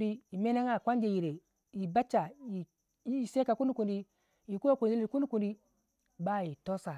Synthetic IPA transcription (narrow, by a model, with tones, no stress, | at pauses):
di˦i˨me˦na˦ŋa˨kʷa˦nd͡ʒe˨ji˨ɾe˨ | ji˨ba˦t͡ʃːa˨ji˨˦˨ | se˦ka˨ku˦ni˦ku˨ndi˦ | ji˨ku˦a˦ku˨i˦li˨ku˦ni˦ku˨ndi˦ | ba˦ji˨to˦sa˨